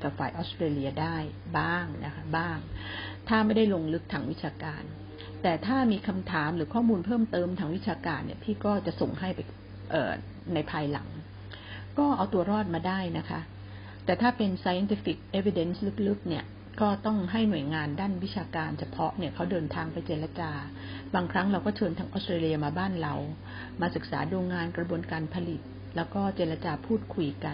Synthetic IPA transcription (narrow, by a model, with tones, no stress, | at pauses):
ka˨˩p̚faː˨˩jʔɔ˦˥st̪ɾeː˧li˧ɐdaː˥˩jbaː˥˩ŋnʔa˦˥kʰa˦˥baː˥˩ŋt̪ʰaː˥˩ma˥˩jda˥˩jlo˧ŋlɯ˦˥k̚t̪ʰaː˧ŋwi˦˥t͡ɕʰaː˧kaː˧n | t̪ɛː˨˩t̪ʰaː˥˩miː˧kʰa˧mt̪ʰaː˩˦mɾɯː˩˦kʰɔː˥˩muː˧npʰɤː˥˩mt̪ɤː˧mt̪ʰaː˧ŋwi˦˥t̪̚t͡ɕʰaː˧kaː˧nːḭ˥˩ɐt̪ʰiː˥˩kɔː˥˩t͡ɕa˨˩ʔso˨˩ŋɦa˥˩jpa˧j | ʔɤ̰ː˨˩ | na˧jpʰaː˧jla̰˩˦ŋ | kɔː˥˩ʔa˧wt̪u˧ɐɾɔː˥˩t̪̚maː˧daː˥˩jna˦˥kʰa˦˥ʔ | t̪ɛː˨˩t̪ʰaː˥˩pe˧nsaː˧ja˧nt̪ʰi˦˥fi˨˩k̚ʔe˦˥wi˧de˦˥nslɯ˦˥k̚lɯ˦˥k̚ni˥˩ɐ | kɔː˥˩t̪ɔ˥˩ŋɦa˥˩jnu˨˩əjŋaː˧ndaː˥˩nwi˦˥t͡ɕʰaː˧kaː˧nt͡ɕʰa˧pʰɔ˦˥ʔni˥˩ɐkʰa˦˥wdɤː˧nt̪ʰaː˧ŋpa˧jt͡ɕeː˧ɾa˧t͡ɕaː˧ | baː˧ŋkʰɾa˦˥ŋɾa˧wkɔː˥˩t͡ɕʰɤː˧nt̪ʰaː˧˥ŋʔɔː˦˥st̪ɾeː˧li˧ɐmaː˧baː˥˩nɾa˧w | maː˧sɯ˨˩k̚sa̰ː˩˦duː˧ŋaː˧nkɾa˧bu˧ənkaː˧npʰa˧li˨˩t̪̚ | lɛː˦˥wkɔː˥˩t͡ɕeː˧ɾa˧t͡ɕaː˧pʰuː˥˩t̪̚kʰu˧jka˧n